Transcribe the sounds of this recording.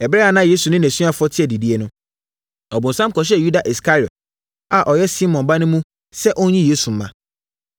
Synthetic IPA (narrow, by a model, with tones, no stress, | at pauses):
ɛ˨bɾɛ˦a˨nã˦jeː˦su˨nɪ̃˦næ̃˨sɥa˦fʊ˦ɔ˦tʰɪ˦ɛ˨di˨di˦e˦nʊ̃˦ | ɔ˨bʊ̃˨n˨sã˦m˦kɔ˨ɕ̬ɛ˦˨ju˦da˨ʔi˨ska˦ɾi˨ɔ˨t̚ | a˨ʔɔ˨jɛ˦si˦mɔ̃˨nba˦nʊ̃˦mũ˦ | sɛ˦ʔɔ˦ɲĩ˦je˦su˨m̩˦mã̰˨